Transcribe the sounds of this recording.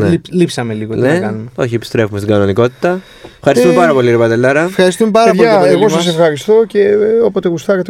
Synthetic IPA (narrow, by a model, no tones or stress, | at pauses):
nlipsɐme̞liɣotnenɐkɐnumeo̞çiepi̥st̪ɾe̞fumest̪iɡɐno̞niko̞t̪i̥t̪ɐ | fxɐɾist̪umepɐɾɐpo̞liiɾpɐd̪elːɐɾɐfxɐɾist̪umepɐɾɐpoiɐeɣosɐs̬efxɐɾist̪o̞ce̞opot̪eɣust̪ɐkɐt̪